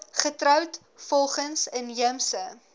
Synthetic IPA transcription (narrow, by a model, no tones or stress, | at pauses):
χətɾœwt | fɔlˠχənsənjəmsə